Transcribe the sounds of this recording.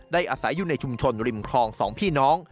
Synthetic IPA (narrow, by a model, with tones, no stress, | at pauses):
daː˥˩jʔaː˧sa˩˦jːuː˨˩na˧jt͡ɕʰu˧mt͡ɕʰo˧nɾi˧˩mkʰɔː˧ŋsɔ̰ː˩˦ŋpʰiː˥˩nɔː˦˥ŋ